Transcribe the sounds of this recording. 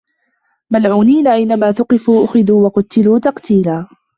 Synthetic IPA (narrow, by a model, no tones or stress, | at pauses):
malʕuːniːnaʔajnamaːθʊqɪfuːʔʊxɪd̪uːwɑqʊt̪ːɪluːt̪ɑqt̪iːlaː